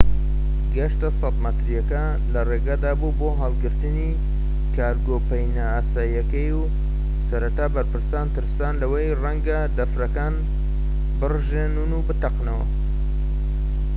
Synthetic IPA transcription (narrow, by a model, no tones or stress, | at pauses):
ɡɐʃt̪ɐsɑt̪mɐt̪ɾjɐkɐ | lɐreːɡad̪aːbuboːɦɑlˠɡɨɾt̪ɨni | kʰaːɾɡopɐjnaaːsaːjɐkɐju | sɐɾɐt̪aːbɐɾpɨɾsaːnt̪ɨɾsaːnlɐwɐjrɐŋɡɐd̪ɐfɾɐkaːn | bɨrʒenunubɨt̪ɐqnɐwɐ̰